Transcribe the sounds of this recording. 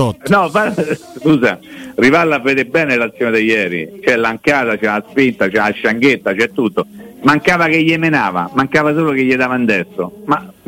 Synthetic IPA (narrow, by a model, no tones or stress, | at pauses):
nɔvaskuːsarivalːavːeːd̪ebɛːnelat̪sːjoːned̪ejːɛːɾḭt͡ʃɛlːaŋkaːt̪at͡ʃɛaspint̪at͡ʃɛaʃːaŋɡ̟et̪ːat͡ʃɛt̪ːut̪ːomaŋkaːvakeʎːemenaːva̰maŋkaːvas̬oːlokeʎːed̪aːvand̪ɛsːoma